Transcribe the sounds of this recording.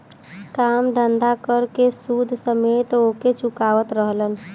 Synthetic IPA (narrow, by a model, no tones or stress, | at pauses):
kamd̪ʱənd̪akəɾkesud̪ʱsəmet̪oket͡ʃukaʋət̪ɾəɦlən